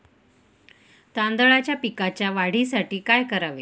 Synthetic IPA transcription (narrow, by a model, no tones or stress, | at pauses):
t̪and̪əɭat͡ɕjapikat͡ɕjaʋaɽ̤isaʈiːkajkəɾaʋe